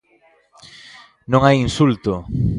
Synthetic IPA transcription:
nõŋajinsult̪o

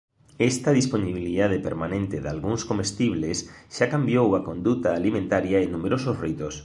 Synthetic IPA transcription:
est̪ɐðisponiβiliðað̞epḛɾmanẽnt̪eða̰lɣuŋskomest̪iβ̞lesʃakambjowakond̪ut̪aːlimẽnt̪aɾjaenːumeɾososrit̪os

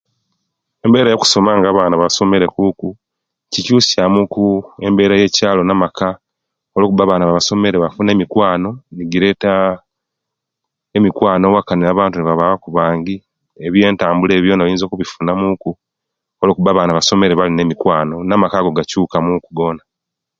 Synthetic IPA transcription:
e̞mbe̞ːɾajo̞ku̥so̞maːŋɡaːβaːnaβaso̞me̞ɾe̞kuːku | cicuːsjamukue̞mbe̞ːɾaje̞caːlo̞namaka | o̞lo̞ːkuβaβaːnaβaβaso̞me̞ɾeβafune̞ːmikwaːno̞niɡiɾe̞ta | emikwaːno̞wakaniaβaːntuneβaβaβakuβaːŋɡi | e̞βje̞ːntaːmbule̞ːβjo̞ːnaβajiːnzo̞ːkuβifunamuku | o̞lo̞ːkuβaːβaːnaβaso̞me̞ɾeβaline̞mikwaːno̞namakaɡo̞ɡacuːkamukuɡo̞ːna

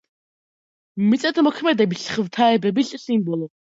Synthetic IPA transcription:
mit͡sʼɛt̪ʰəmɔkʰmɛd̪ɛbiɬχəwt̪ʰaɛbɛbiɬʼsiːnbɔlɔ

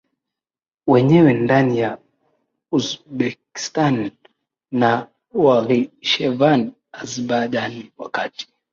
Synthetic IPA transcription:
wɛɲɛwɛndanija | uzɓɛki̥stanː | a | waliʃɛvan | azbaʄaniwakati̥

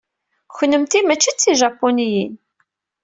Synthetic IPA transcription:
çʷnəmt̪imæt͡ʃːit͡sːiʒɑpːonijin

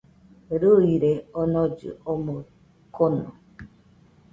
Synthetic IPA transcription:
ɾoiɾeɔnɔd͡ʒʊ̰ɔmo | konɔ̰

